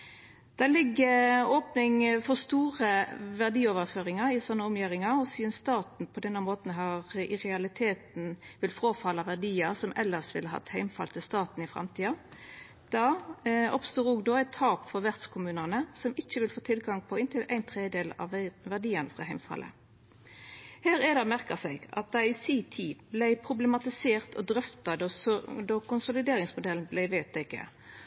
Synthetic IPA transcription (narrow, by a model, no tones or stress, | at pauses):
d̪̥ælɪɡːəoːpnɪŋfɔʁst̪uːʁəʋæʁd̪iːoːʋəʁføːʁɪŋɑɾɪsɔnːəɔmjiʁɪŋɑɔsiːd̪ənst̪ɑːt̪n̩pʰɔd̪ɛnːɑmoːt̪n̩ɦɑʁɪʁɛɑlɪt̪ʰeːt̪n̩ʋɪlfʁoːfɑlːɑʋæʁd̪iːəsɔmʔɛ̰lːəsʋɪ̰ləɦɑ̰t̪hæɪmfɑ̰lt̪ʰɪlst̪ɑːt̪n̩ɪfɾɑ̰mt̪ʰiːɑ | d̪̥ɑɔ̰pst̪uːɾuːɡd̪oːæɪt̪ʰːɑːpfɔʁʋæʁt̪skʰʊmʉːnəʁnəsɔmɪçːəʋɪlfoːt̪ʰɪlɡɑŋpʰɔɪnt̪ʰɪlʔæɪnt̪ʰʁeːd̪eːlɑ̰ʋʋæʁd̪iːənəfʁɑɦæɪmfɑ̰lʔə̰ | hæːʁɛːd̪ɑmæʁkəsɛɪɡɑ̰t̪̚d̪æɪɪsiːt̪ʰiːblæɪpʰʁʊbləmɑt̪ɪseːʁt̪ʰɔ̰d̪ʁœft̪ɑd̪ɔd̪ɔkʊnsʊlɪd̪eːʁɪŋsmʊd̪ɛln̩blæɪʋeːt̪̚d̪ɪkːə̰